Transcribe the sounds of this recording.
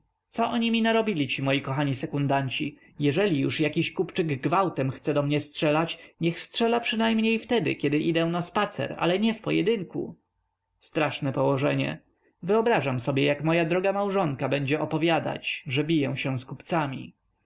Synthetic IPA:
t̪sɔʔɔɲimʲinaɾɔbʲilʲit͡ɕimɔjikɔxaɲisɛkund̪aɲt͡ɕi | jɛʐɛlʲijuʂjakʲiɕkupt͡ʂɘɡɡvawt̪ɛmxt̪sɛd̪ɔmɲɛstʂɛlat͡ɕɲɛxstʂɛlapʂɨɘnajmɲejft̪ɛd̪ɘ̰kʲɛd̪ɘʔid̪ɛ̃naspat̪sɛ̰ɾa̰lɛɲɛfpɔjɛ̰d̪ɘŋkṵ | st̪ɾaʂnɛpɔwɔʐɛɲɛ̰ | vɘɔbɾaʐamsɔbʲjɛjakmɔjad̪ɾɔɡamawʐɔŋkabɛɲd͡ʑɛɔpɔvʲjad̪a̰t͡ɕʐɛbʲijɛw̃ɕɛw̃skupt̪samʲḭ

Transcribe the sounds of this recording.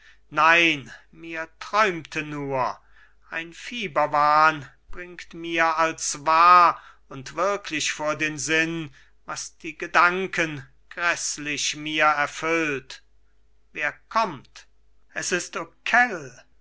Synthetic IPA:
naɪn | miːɐtʁ̥ɔʏmtʰənuːɐ | ʔaɪnfiːbɐvaːnb̥ʁɪŋktmiːɐalsvaː | ʊntv̥ɪɐkʰlɪɕfoːɐdeːnzɪn | vasd̥iːɡədaŋkʰən | ɡ̥ʁɛslɪɕmiːɐɛɐfʏlt | veːɐkʰɔmt | ʔɛsɪstokʰɛl

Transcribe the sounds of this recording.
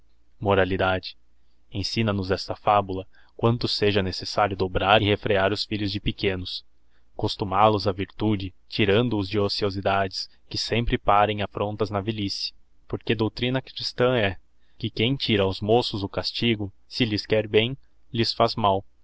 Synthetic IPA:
moɾalid̪ad͡ʒɪ̥ | ẽj̃sĩnɐnʊzɛst̪ɐfabulɐ | kwɐ̃nt̪ʊseʒɐnesesaɾjʊd̪obɾaɾɪhefɾeaɾʊsfiʎʊzd͡ʒɪpekẽnʊs | kost̪umalʊzɐviɾt̪ud͡ʒɪ | t͡ʃiɾɐ̃nd̪ʊːzd͡ʒɪosiozid̪ad͡ʒɪs | kɪsẽmpɾɪpaɾẽj̃afɾõnt̪ɐznɐvelisiɐ̥ | poɾked̪owt̪ɾĩnɐkɾist̪ɐ̃ɛ | kɪkẽj̃t͡ʃiɾɐwzmosʊzʊkast͡ʃiɡʊ | sɪlɪskɛɾbẽj̃ | lɪsfazmaw

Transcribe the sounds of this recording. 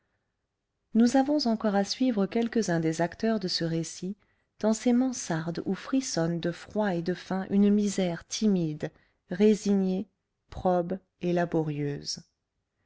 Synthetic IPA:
nuzavɔ̃zɑ̃kɔʁasɥivʁəkʲɛlkəzɛ̃d̪ezakt̪œʁd̪əsəʁesi | d̪̥ɑ̃semɑ̃saʁd̪ufχisɔnd̪əfχwaed̪əfɛ̃ʔynmizɛʁt̪ʰimid̪ | ʁeziɲe | pχɔb | elabɔʁjøːz

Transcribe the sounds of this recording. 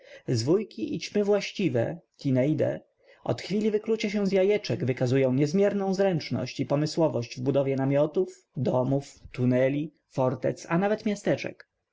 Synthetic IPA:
zvujkʲiʔit͡ɕmɘvwaɕt͡ɕivɛ̰k̪ʲinɛjd̪ɛ̰ | ʔɔ̰t̪xfʲilʲivɘklut͡ɕaɕɛ̃zjajɛt͡ʂɛɡvɘkazujɔ̃w̃ɲɛzmʲjɛɾnɔ̃w̃zɾɛnt͡ʂnɔ̰ɕt͡ɕipɔmɘswɔvɔɕd͡ʑvbud̪ɔvʲjɛnamʲjɔt̪uf | d̪ɔmuft̪unɛlʲi | fɔɾt̪ɛ̰t̪sanavɛt̪mʲjast̪ɛt͡ʂɛ̰k

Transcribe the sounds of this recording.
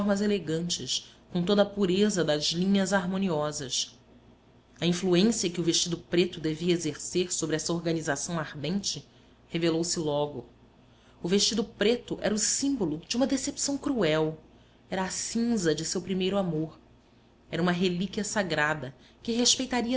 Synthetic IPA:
ɾmɐzeleɡɐ̃nt͡ʃɪʃkõt̪̬od̪ɐpuɾezɐd̪ɐzlĩɲɐzaɾmõniɔzɐs | ɐĩfluẽsiɐkɪʊveʃt͡ʃid̪ʊpɾet̪ʊd̪eviɐezeɾseɾsobɾɪɛsɐoɾɡɐnizasɐ̃w̃aɾd̪ẽnt͡ʃɪ | hevelowsɪlɔɡʊ | ʊveʃt͡ʃid̪ʊpɾet̪ʊʔɛɾɐʊsĩmbolʊd͡ʒɪũmɐd̪esepsɐ̃w̃kɾuɛw | ɛɾɐːsĩzɐd͡ʒɪsewpɾimejɾʊamoɾ | ɛɾɐũmɐɦelikʲiɐsaɡɾad̪ɐ | kɪɦeʃpejt̪aɾiɐ

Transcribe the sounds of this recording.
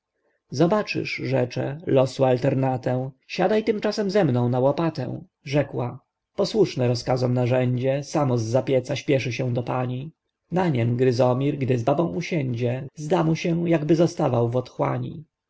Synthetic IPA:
zɔbat͡ʂɘ̰ʂʐɛt͡ʂɛ̰lɔsualt̪ɛɾnat̪ɛw̃ | ɕad̪ajt̪ɘmt͡ʂasɛmzɛmnɔ̃w̃nawɔpat̪ɛ̰̃w̃ | ʐɛkwa | pɔswuʂnɛɾɔskazɔmnaʐɛɲd͡ʑɛsamɔzːapʲjɛt̪saɕpʲjɛʂɘɕɛ̃d̪ɔpaɲi | naɲɛmɡɾɘzɔmʲiɾɡd̪ɘzbabɔ̃w̃uɕɛɲd͡ʑɛzd̪amuɕɛw̃jaɡbɘzɔst̪avawvɔt̪xwa̰ɲḭ

